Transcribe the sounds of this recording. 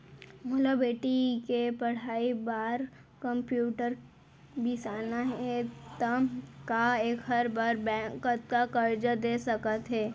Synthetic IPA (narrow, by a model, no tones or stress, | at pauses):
molobeːʈikepɐɽ̤aːibaːɾ | kɐ̃mpjuːʈəɾ | bisaːnaɦɛt̪ɐmkaeːkɦɐɾbaːɾbɛ̃kət̪kakɐɾd͡ʒad̪eːsɐkət̪ɦɛː